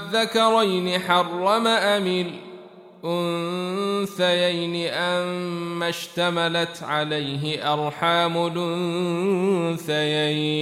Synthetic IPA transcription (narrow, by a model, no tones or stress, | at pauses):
ðːakɑɾˤajnɪħɑrˤːɑmaʔamɪl | ʔʊnn | θajajnɪʔamːaʃt̪amalat̪ʕalajɦɪʔɑɾˤħaːmʊlʔʊnn | θajaj